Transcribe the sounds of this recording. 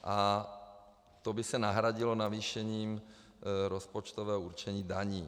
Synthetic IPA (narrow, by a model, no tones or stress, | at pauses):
ʔa | t̪obɪsɛnaɦɾaɟɪlonaviːʃɛɲiːm | ɾospot͡ʃt̪ovɛːɦouɾt͡ʃɛɲiːdaɲiː